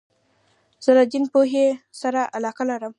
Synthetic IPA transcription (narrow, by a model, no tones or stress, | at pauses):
z̥əlad͡ʒinpoɦesaɾaʔalɑqalaɾəm